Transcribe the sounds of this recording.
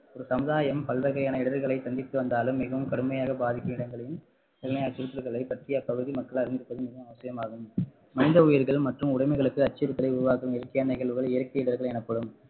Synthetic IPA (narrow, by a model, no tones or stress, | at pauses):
ɔɾɯsɐmɯðaːjɐmpɐɭʋɐɣɐjaːnɐɪɽɐɐɾɣɐɭɐɪt̪ɐnd̪ɪt̪ːɯʋɐnd̪aːlɯmːɪɣɐʋɯmkɐɽɯmɐjaːɣɐbaːðɪkʲːɯmɪɽɐŋɡɐɭɐjɯm | t̪ɐɾnɐjɐt͡ʃːɪɾɪt̪ːɐɾɣɐɭɐɪpɐʈrɪjɐpɐɣɯðimɐkːɐɭɐɾɯnd̪ɪɾɯpːɐðɯmːɪɣɐmɐʋɐsɪjɐmaːɣɯm | mɐnɪnd̪ɐʊjɪɾɣɐɭmɐʈrɯmʊɽɐɪmɐɪɣɐɭɯkːɯɐt͡ʃːɪɾɯt̪ːɐlɐɪʊɾʊʋaːkɯmɪɾɐkːɐjaːnɐɪɣɐɭʋɯɣɐɭɪɾɐkːɪjɪɽɐɾɣɐɭɛnɐpːɐɽɯm